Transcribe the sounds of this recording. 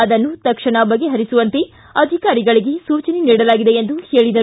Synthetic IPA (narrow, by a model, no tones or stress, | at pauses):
ɐd̪ɐnːut̪ɐkʂɐɳɐbɐɡːeɦɐɾisuʋɐnt̪e | ɐd̪ʱikaːɾiɡɐɭiɡe̞suːt͡ʃɐneniːɽɐlaːɡid̪e̞end̪uheːɭid̪ɐ